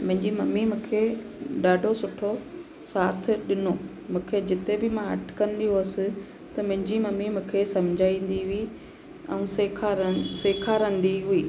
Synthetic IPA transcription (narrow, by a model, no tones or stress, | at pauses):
mʊ̃ɦɪ̃ɲd͡ʑimɐmːimũːkʰe | ɗaːɖʱosʊʈʰo | saːt̪ʰɪ̆ɗɪnoː | mũːkʰed͡ʑɪt̪ebɪmãɐ̰ʈʰkɐ̃nd̪ijoəsɪ̆ | t̪ɐmʊ̃ɦɪ̃ɲd͡ʑimɐmːimũːkʰesɐmd͡ʑʱaːĩːn̆d̪iɦʊi | ɛ̃ũsekʰaɾseːkʰaːɾə̃nd̪iɦʊiː